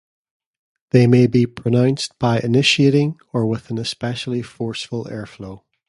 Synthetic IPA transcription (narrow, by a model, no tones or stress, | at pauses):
ðemebipʰɹ̥ənãʊ̃nsb̥aɪʔɪnɪʃieʔɪ̃ŋ | ə˞wɪð̥ə̃nəspɛʃl̩ˠifɔɹsfəlˠɛ̰ɹflˠoː